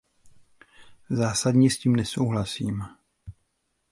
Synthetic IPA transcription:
zaːsadɲɛsciːmnɛsowɦlasiːm

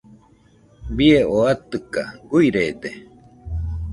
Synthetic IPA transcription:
bieoat̪ɨkaɡujɾeːd̪e

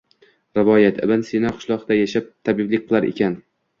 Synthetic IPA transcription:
ɾɪvɒjat̪ʰɪ̰bɪnsenaqʰʊ̥ʃlˠɒʁd̪ajaʃap̚t̪ʰabɪblɪk̚ʲqʰɨlˠaɾḛkʲan

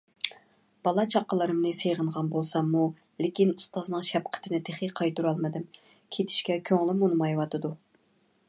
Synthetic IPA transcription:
b̥ɑlˠɑt͡ʃʰɑqːəlˠɨɾɨmnɨsejʁəɴʁɑnbolˠsɑmːu | lɪkʲinust̪ɑznɨŋʃɛp̚qʰə̥t̪ʰɪnɪd̪ʰeχiqʰɑjt̪uɾɑlˠmɨd̪ɨm | kʲʰet̪ʰi̥ʃkʲɛkʲʰøŋlˠɪmunɨmɑjwɑt̪ɨd̪u

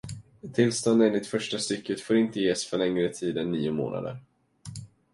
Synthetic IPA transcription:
t̪ʰɪlːst̪ɔnd̪ɛnːɪt̪fœʂʈast̪ʏkːət̪foːɾɪnt̪əjeːsfœɭɛŋɾət̪ʰiːd̪ɛnːiːʊmo̰ːna̰d̪ə̰ɾ

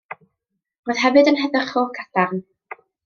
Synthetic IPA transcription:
roːð̥ɦɛvɨdənɦɛðəχɔkʰad̥arn

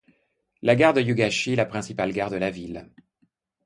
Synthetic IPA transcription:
laɡaʁd̪əjuɡaʃilapχɛ̃sipalɡaʁd̪əlavil

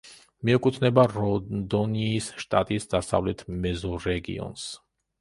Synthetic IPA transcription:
miɛkʼut̪ʰnɛbaɾɔd̪ɔniːsʃt̪ʼa̰t̪ʼisd̪asa̰vlɛt̪ʰmɛzɔɾɛɡḭɔ̰ns

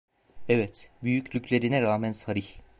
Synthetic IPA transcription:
evɛt̪byjycʰlʲycʰlʲe̞ɾinɛɾaːmænsaɾiç

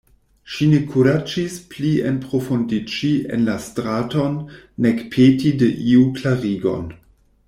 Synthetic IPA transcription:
ʃinekʰuɾad͡ʒispliḛnpɾofundit͡ʃiḛnlastɾatonːekpʰetideʔiuklaʁiɡo̞̰n

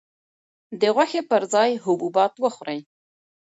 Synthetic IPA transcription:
d̪eʁwaxepəɾzɑjɦʊbubɑt̪wəxɾej

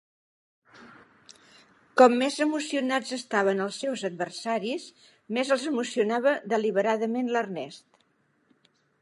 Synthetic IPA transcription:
kɔmːezəmusiunad͡zəst̪aβ̞ənəlˠsːɛwzəd̪̚βərsaɾis | mezəlˠzəmusiunaβəðəliβəɾaðəmenlərnɛst̪

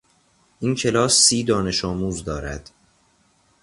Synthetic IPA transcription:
ʔiːncʰe̞lɒːsːiːd̪ɒːne̞ʃɒːmuːzd̪ɒːɾæ̰d̪̥

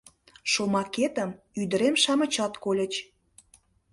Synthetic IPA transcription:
ʃomɑket̪əm | yd̪ə̆ɾemʃɑmə̆t͡ɕɑt̪kolʲə̆t͡ɕ

